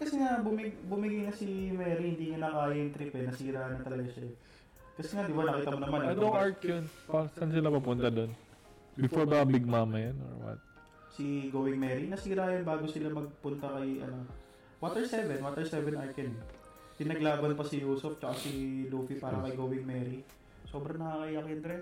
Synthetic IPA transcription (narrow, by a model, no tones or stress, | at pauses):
kɐsɛŋabʊmɪɡbʊmɪɡajnɐsimɛːɾihɪnd̪iːŋɐnɐkaːjɐjʊŋt̪ɾiːpɛnɐsiːɾaːnɐt̪ɐlɐɡaʃɐj | kɐsɛŋad̪ɪbanɐkiːt̪ɐmonɐmanad̪oŋʔaɹkjonpasansɪlapɐpʊnt̪ad̪o̞n | bbɪfoɹbabɪɡ̚maːmɐjano̰ɹwɐ̰t̪̚ | sɪɡowɪŋmɛːɾinɐsiːɾajɐnbaːɡo̞sɪlamɐɡ̚pʊnt̪ɐkɐjʔɐ̰no̞ | wat̪ɛɹsɛvɛnwat̪ɛɹsɛvɛnʔaɹkɛn | pɪnɐɡlaːbɐnpɐsɪjuːsʊft͡ʃɐkasiluːfipaːɾɐkɐjɡoːwɪŋmɛːɾi | so̞ːbɾɐŋnɐkakɐjakɐnd̪ɾɛ